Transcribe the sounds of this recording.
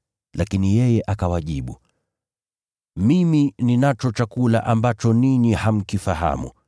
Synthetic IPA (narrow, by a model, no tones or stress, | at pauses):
lakinijɛjɛʔakawaʄiɓu | mimininat͡ʃɔt͡ʃakula̰ʔambat͡ʃɔniɲiham̩kifaɦa̰mṵ